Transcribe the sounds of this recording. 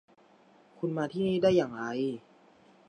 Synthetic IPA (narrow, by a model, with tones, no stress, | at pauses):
kʰu˧nmaː˧t̪ʰiː˥˩niː˥˩daː˥˩jːaː˨˩ŋɾa˧j